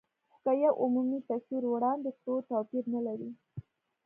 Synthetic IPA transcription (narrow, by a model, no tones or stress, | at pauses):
kajawʔʊmumit̪asiɾwɽɑnd̪d̪əxʈot̪apiɾnalaɾi